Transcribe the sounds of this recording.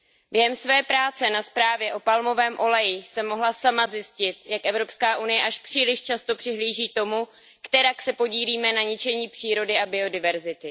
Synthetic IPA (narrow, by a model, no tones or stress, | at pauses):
bjɛɦɛmsvɛːpɾaːt͡sɛnaspɾaːvjɛʔo̞palmo̞vɛːmʔo̞lɛjɪsɛmːo̞ɦlasamazjɪscɪt̪jakʔɛvɾo̞pskaːʔunɪjɛʔaʃpr̝̥iːlɪʃt͡ʃast̪o̞pr̥ɪɦliːʒiːt̪o̞mu | kt̪ɛɾaksɛpo̞ɟiːliːmɛnaɲɪt͡ʃɛɲiːpr̝̥iːɾo̞dɪʔabɪo̞dɪvɛɾzɪt̪ɪ